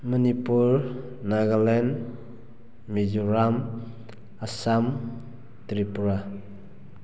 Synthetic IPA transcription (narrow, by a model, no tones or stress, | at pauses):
mənipuɾ | naɡalɛn | mizuɾam | asam | t̪ɾipuɾa